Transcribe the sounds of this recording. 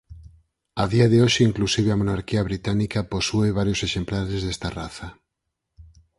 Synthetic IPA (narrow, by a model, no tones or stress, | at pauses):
aðiaðeoʃeiŋklusiβ̞eamonaɾkiaβ̞ɾit̪anikapo̞sueβ̞aɾjo̞seʃe̞mplaɾezðest̪araθa